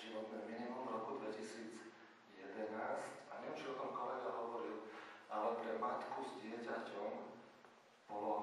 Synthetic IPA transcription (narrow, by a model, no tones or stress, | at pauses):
ʒiʋɔt̪nɛːminimumvɾɔkud̪ʋɛcisiːd͡z | jɛd̪ɛnaːscaɲɛnt͡ʃilkɔmkɔlɛɡ̪aɦɔʋɔɾilalɛpɾɛmat̪kuzɟɪɛcacɔm | b̥ɔlɔ